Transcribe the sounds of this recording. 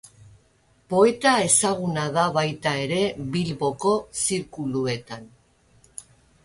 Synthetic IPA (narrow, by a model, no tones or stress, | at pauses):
po̞e̞t̪ae̞saɣunaðaβajt̪ae̞ɾe̞βilβo̞ko̞siɾkulue̞t̪an